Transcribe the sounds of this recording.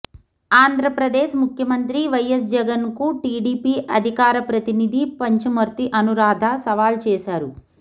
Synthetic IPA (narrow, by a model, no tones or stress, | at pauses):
aːnd̪ʱɾɐpɾɐd̪eːʃmukʰjɐmɐnt̪ɾiʋɐjɐs̬d͡ʒɛɡɐnkuʈiːɖiːpiʔɐd̪ʱikaːɾɐpɾɐt̪inid̪ʱipɐɲt͡ʃumɐɾt̪iʔɐnuɾaːd̪ʱasɐʋaːlt͡ʃɛːʃaːɾu